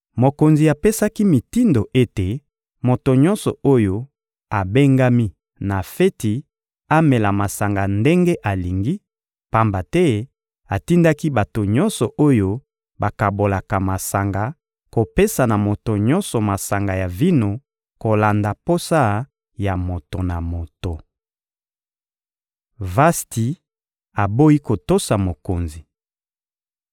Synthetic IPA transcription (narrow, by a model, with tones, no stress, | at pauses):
mo˨ko˨nzi˨a˨pe˦sa˦ki˦mi˨ti˦ndo˨ʔe˦te˨ | mo˨to˨ɲɔ̃˦nsɔ̰˨o˦jo˦ | a˨be˦ŋɡa˦mi˦ | na˨fɛ˦ti˨ | a˦mɛ˨la˨ma˨sa˨ŋɡa˨nde˦ŋɡe˦ʔa˨li˨ŋɡi˦ | pa˦mba˨tɛ˦ | a˨ti˦nda˦ki˦ba˨to˨ɲɔ˦nsɔ˨ʔo˦jo˦ | ba˨ka˨bo˨la˨ka˨ma˨sa˨ŋɡa˨ | ko˨pe˦sa˨na˨mo˨to˨ɲɔ˦nsɔ˨ma˨sa˨ŋɡa˨ja˨vi˦no˨ | ko˨la˨nda˨po˦sa˦ | ja˨mo˨to˨na˨mo˨to˨ | va˦sti˨ | a˨bo˦i˦ko˨to˦sa˨mo˨ko˨nzi˨